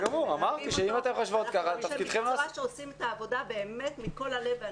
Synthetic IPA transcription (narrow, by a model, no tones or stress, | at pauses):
ɡamuʁamaʁt̪iʃeimat̪emχoʃvot̪̚kaχat̪afkid̪χemlaaʃeosimet̪aːvo̞d̪abe̞ːme̞t̪miko̞lale̞v